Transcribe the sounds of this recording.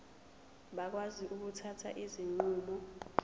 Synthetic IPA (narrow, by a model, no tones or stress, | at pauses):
ɓak̬waziʔuk̬utʰatʰa̰ʔiziŋ͡ǃuːɓu